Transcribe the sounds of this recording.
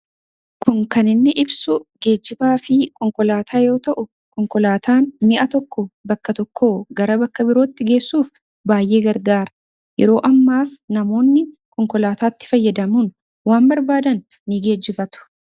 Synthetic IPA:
kʰʊŋkɐnɪnːɪʔɪbsʊɡe̞ːd͡ʒːɪbaːfɪkʼɔŋkɔlaːt̪ʰaːjo̞ːt̪ɐʔʊ | kɔŋkɔlaːt̪ʰaːnmɪʔɐt̪ɔkːɔbɐkːɐt̪ɔkːo̞ːɡɐɾɐbɐkːɐbɪɾo̞ːt̪ːɪɡe̞ːsːuːf | baːjʔe̞ːɡɐɾɡaːɾɐ | jɛ̰ɾo̞ːʔɐmːaːsnɐmo̞ːnːɪkʼɔŋkɔlaːt̪aːt̪ːɪ̥fɐjːɐd̪ɐmun | waːmbɐɾbaːd̪ɐnː | ɪɡe̞ːd͡ʒɪbɐt̪ʊ̥

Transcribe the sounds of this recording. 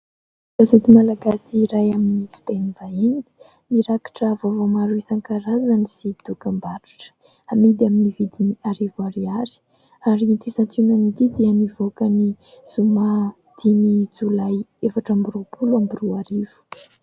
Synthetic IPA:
kazet̪imalaɡasiɾajaminifi̥t̪enivainii̥ | miɾakḁʈ͡ʂavavomaɾuisaŋkaɾazanisid̪̥ukambaɾu̥ʈ͡ʂə̥ | amid̪aminivid̪iniaɾivuaɾiaɾi̥ | aɾit̪esant̪unanit̪id̪iənivokəni | z̥uma | d̪̥inid͡zulajefaʈ͡ʂambirupuluambiruaɾiv̥u̥

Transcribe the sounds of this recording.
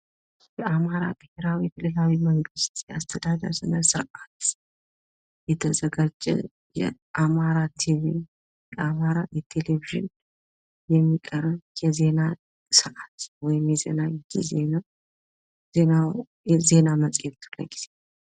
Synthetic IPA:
jɛʔamaɾa̰t̪ʼɨheɾawikʰɨlːɨlawiməŋɡɨst̪jɛast̪ʰəd̪ad̪ə̰ɾsɨnəsɨɾʔat̪ | jɛt̪ʰəzəɡad͡ʒʼɛ̰ | jɛ̰ʔamaɾat̪ʰivi | jɛʔamaɾajɛt̪ʰe̞leviʒɪ̰n | jɛmːikʼəɾəjɛze̞na | sɨɾʔat̪wɔjɪmjɛzḛnajɛtizena | zena | ze̞namət͡sʼjet̪lə̰ɡiz̥e̞

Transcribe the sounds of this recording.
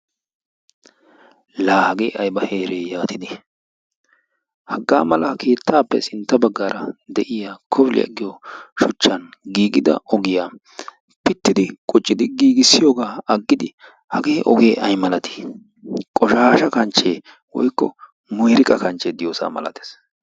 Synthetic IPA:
laːhɐɡeːʔɐjbɐheːɾeːjaːt̪ɪd̪ɪ | hɐɡːa̰ːmɐlɐkʰe̞ːt̪ʰːaːpːɛsɪnt̪ːɐbɐɡːaːɾɐd̪ɛʔɪjaːkʰɔbɪlɪ̰ɐ̰ɡːɪjɔʃʊt͡ʃːɐnɡiːɡɪd̪ɐ̰ʔɔɡɪjaː | pɪt̪ːɪd̪ɪkʼɔt͡ʃʼːɪd̪ɪɡiːɡɪsːɪjoːɡaːɐɡːɪd̪ɪ | hɐɡe̞ːʔɔɡe̞ːʔɐjmɐlɐt̪ʰi̥ | kʼɔʃaːʃɐkɐnt͡ʃːeː | wɔ̰jkːɔ | mʊjɾɪkʼɐkɐnt͡ʃːeːd̪ɪjoːsa̰ːmɐ̰lɐ̰t̪e̥ːs

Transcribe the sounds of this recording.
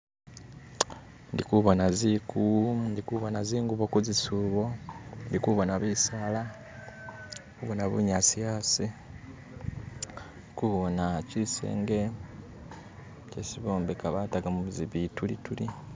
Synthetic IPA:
ndikuβonazikʰundikuβonaziːŋɡuβokuzisuβo̞ndikuβonaβisaːla | kuβonaβṵɲasijasi | kuβonacisḛːŋɡe̞ | cesiβoːmbekaβataɡamuβuziβitulḭtuli

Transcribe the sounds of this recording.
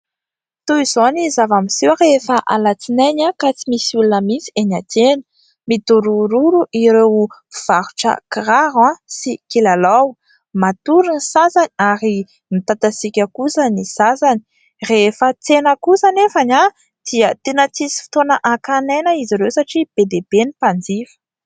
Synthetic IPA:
t̪uiz̥onizavamisiwaɾefaʔa̰lat͡sinanakat͡simisiulunəmit͡si̥enat̪enə̥ | mid̪uɾuɾuɾuʔiɾewv̥aɾuʈ͡ʂə̰kiraɦasikilalaw | mat̪uɾinisazaniaɾi | mit̪at̪asikʲəkusanisasani̥ | refət͡senəkusanefana | d̪̥iət̪enət͡sisi̥fi̥t̪onəʔakanenəiziɾewsaʈ͡ʂib̥ed̪eb̥enipand͡zifə̥

